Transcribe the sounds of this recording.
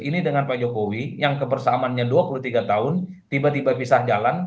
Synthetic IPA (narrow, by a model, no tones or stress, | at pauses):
inidəŋanpad͡ʒokowijaŋkəbərsaːmanɲaduapuluht̪iɡat̪aʊn | t̪ibat̪ibapisahd͡ʒalan